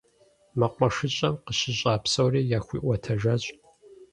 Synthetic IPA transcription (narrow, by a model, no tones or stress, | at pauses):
mɐqʷʼɐʂɨɕʼɐmqəɕɪɕʼaːpsɐwriːjaːxʷḭːʔʷɐtʰɐʒɐɕʼ